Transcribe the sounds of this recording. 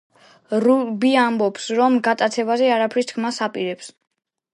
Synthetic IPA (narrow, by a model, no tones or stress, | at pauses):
ɾubiambɔpsɾɔmɡat̪ʼat̪sʰɛbazɛaɾapʰɾist̪ʰkʰmasapʼiɾɛps